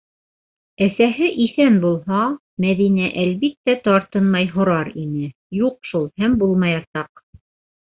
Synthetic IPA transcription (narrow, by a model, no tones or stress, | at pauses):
æsæɦɘʔiθænbulˠɦɑ | mæðinæʔælβit̪ːæt̪ɑɾt̪ɤnmɑjɦŏɾɑɾinɘ | juqʃulˠhæmbulˠmɑjɑsɑq